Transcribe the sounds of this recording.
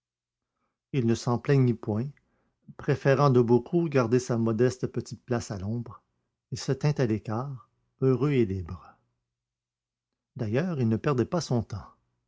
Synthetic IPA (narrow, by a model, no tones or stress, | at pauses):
ilnəsɑ̃plɛɲipwɛ̃ | pʁefeʁɑ̃d̪əbokʰuɡaʁd̪esamɔd̪ɛst̪pət̪it̪̚plasalɔ̃bʁ | ilsət̪ɛ̃t̪alekʲaːʁ | øʁøelibʁ | d̪ajœːʁilnəpɛʁd̪ɛpasɔ̃t̪ɑ̃